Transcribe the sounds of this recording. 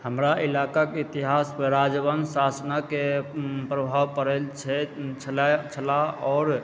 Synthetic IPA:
həmɾaʔilakakeit̪iɦasmeɾad͡ʒbənsasnakepɾəbʱawpəɾɛlt͡ʃʰɛt͡ʃʰəlt͡ʃʰəlaɔːɾ

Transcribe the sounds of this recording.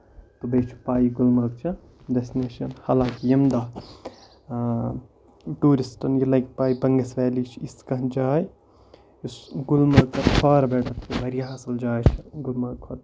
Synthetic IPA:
t̪ubeːt͡ʃʰpaːiɡʊlmɐlk̚t͡ʃʰɐ | desineːʃɐnhaːlãːŋkijɐmd̪aː | ʈuːɾisʈɐnjulɐjk̚paːibɐŋɡɐsʋɛːliːt͡ʃʰiskɐɦd͡ʒaːj | isɡulmɐkʰɐt̪kʰaːɾbeːʈʰɐt̪ʰkeʋɐɾjaɦɐsɐld͡ʒaːjt͡ʃʰɐɡʊlmɐlkʰɐt̪̚

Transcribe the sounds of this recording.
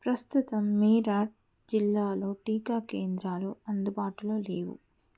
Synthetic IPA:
pɾɐst̪ut̪ɐmːiːɾaːʈ̚ | d͡ʒilːaːlo̞ːʈiːkaːke̞ːnd̪ɾaːluɐnd̪ubaːʈulo̞ːle̞ːwṵ

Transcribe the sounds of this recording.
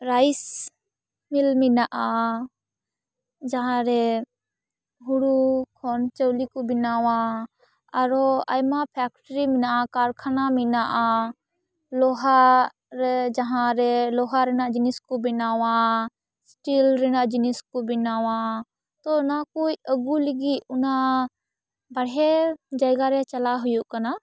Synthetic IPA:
ɾajs | milmɪnaʔa | d͡ʒaɦãɾɛ | ɦuɽukʰɔnt͡ʃəwlikubɪnaːwã | ɐɾoajmãpʰɛːk̚ʈəɾiminaʔakaɾkʰanaminaʔa | lɔɦa | ɾɛd͡ʒaɦãɾɛlɔɦaɾɛnaʔd͡ʒiniskubɪnaːwa | sʈilɾɛnaʔd͡ʒiniskubɪnawã | t̪ɔnakuːiəɡuliɡiʔʊnaʔ | bəɽɛd͡ʒajɡaɾɛt͡ʃəlaɦʊjuʔkanaː

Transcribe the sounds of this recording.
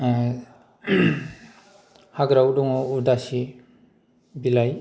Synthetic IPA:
haɡɾawduŋɔudasi | bilaj

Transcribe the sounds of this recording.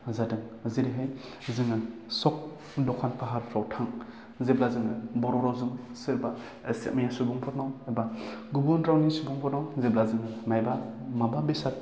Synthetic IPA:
zadɯŋziɾiɦɯj | zɯŋɯsɔk̚ | dɔkʰanpʰaɦaɾʰɔwtʰaŋ | zeblazɯŋɯbɔɾɔɾɔzɯmsɯɾba | esḛmajasubuŋpʰɔtnawebaɡubɔndɾawnisubuŋpʰɔtnawzeblazɯŋɯmajbamababesat̚

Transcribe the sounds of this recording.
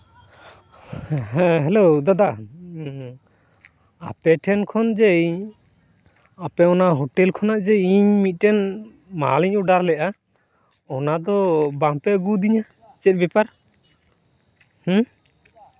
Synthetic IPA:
ɦɛ̃ɦɛlod̪ad̪a | a̰pɛʈʰɛnkʰɔnd͡ʒɛiɲ | apɛɔnaɦɔʈɛlkʰɔnaʔd͡ʒɛiɲmit̪̚ˀʈɛn | ma̰liɲuɖaɾlɛʔa | ɔnad̪ɔbampɛɡud̪iɲa | t͡ʃɛt̪̚ˀbɛpaɾ | h̩

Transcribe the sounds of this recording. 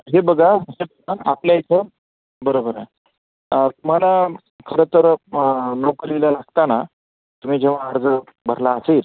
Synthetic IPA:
ɦebəɡaɦepəanapljajt͡s̪ʰə | bəɾobəɾə | m̤əla | kʰəɾət̪əɾ | nokɾilalaɡt̪ana | t̪um̤iːd͡ʑeʋ̤aːɾd͡zə | bʱəɾlaəseɾ

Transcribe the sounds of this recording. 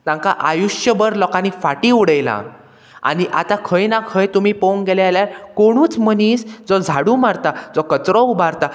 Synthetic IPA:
t̪ãŋkaʔajuɕjəbəɾlɔkanifaʈiuɽəjlã̰ | a̰niʔat̪ãkʰəjnakʰəjt̪um̤iːponɡeljaljaɾkoɽ̃ũːt͡sməniːsd͡zɔd͡zʱaɽumaɾt̪ad͡zɔkətɾɔubaɾt̪a

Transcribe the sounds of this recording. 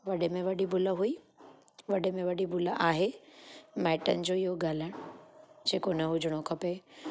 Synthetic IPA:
ʋɐɗemẽʋɐɗibʱʊləɦui | ʋɐɗemẽʋɐɗibʱʊləʔaːɦe | mɛːʈə̰nɪ̆d͡ʑoːiɦoɡaːl̤aːɪ̃ʊd͡ʑeːkonɐɦʊd͡ʑʱɪɽ̃okʰɐpe

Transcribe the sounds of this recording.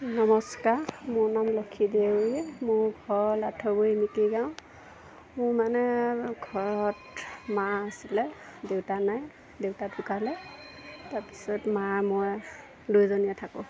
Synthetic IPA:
nɔmɔskaɹmʊɹnamlokʰidiɛojɛmʊɹɡʱɔɹlatʰɔboinikiɡaʊ̃ | mʊɹmanɛɡʱɔɹɔtmaasilɛdewtanaj | dewtadʱʊkalɛ | taɹpi̥sɔtmamɔj | dujzonijatʰakʊ̃

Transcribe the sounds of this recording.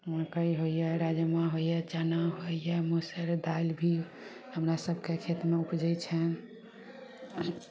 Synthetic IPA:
mə̃kəjɦoijɛɾad͡ʒəmaɦojjɛt͡ʃanaɦoijɛmosəɾd̪ailbʱi | həmɾasəbʱkekʰet̪meupd͡ʒəjt͡ʃʰən

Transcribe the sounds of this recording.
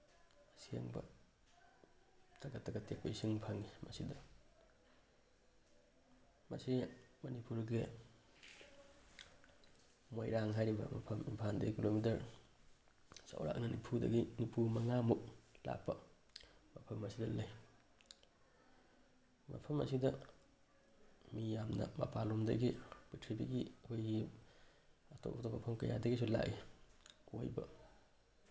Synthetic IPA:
asiḛŋbɐ̰ | taɡɐtːɐɡɐtːek̚pɐjsiŋpʰaŋimɐsidɐ | mɐsimɐnipuɾɡe | mojɾaŋɦajɾibɐ̰mɐpʰɐmimpʰandɐɡikilomit̬ɐɾ | sa̰wɾa̰k̚nɐnipʰudɐ̰ɡinipʰumɐŋamuk̚la̰pːɐ | mɐpʰɐmɐsidɐlɐj | mɐ̰pʰɐmɐ̰sidɐ | mijamnɐ̰mɐ̰pʰalomdɐ̰ɡibitʰɾidɐɡioji | ato̰p̚tabɐpʰɐmkɐja̰dɐɡis̬ula̰ʔi | o̰jbɐ̰

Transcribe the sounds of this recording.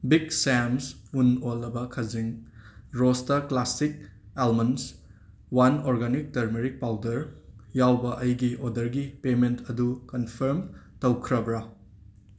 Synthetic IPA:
biɡsemsunolːɐbɐkʰɐziŋɾostɐklasik̚elmɐns | wanoɾɡanik̚tɐɾmeɾik̚pawdɐɾjawbɐʔɐjɡiʔodɐɾɡipementʰɐdukɐnpʰɐɾmtɐwkʰɾɐbɾɐ

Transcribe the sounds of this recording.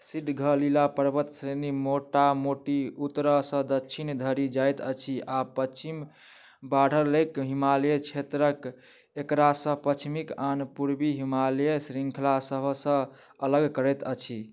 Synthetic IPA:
siɖʱɡʱəlilapəɾbət̪sɾenimoʈamoʈiut̪ɾəsə̃d̪ət͡ʃʰind̪ʱəɾid͡ʒajt̪ə̰t͡ʃʰiʔapət͡ʃim | baɽʱəɾlekɦimalet͡ʃʰet̪ɾək | ekɾasə̃pət͡ʃʰmikanpuɾbiɦimalesɾiŋkʰlasəbsə̃ | ələɡkəɾɛt̪ə̰t͡ʃʰi

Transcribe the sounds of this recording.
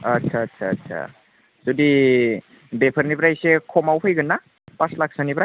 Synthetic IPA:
ʌtːsʰaːtʰaːtsʰa̰ | zɔdi | bepʰəɾnipɾajsekʰɔmawpʰəjɡɯnːa | paslak̚sanipɾa

